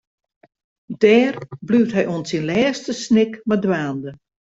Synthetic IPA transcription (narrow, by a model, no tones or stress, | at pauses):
d̥ɛːrblyːwtɦɛjʔoənsinlɛːstəsnɪkmadwaːndə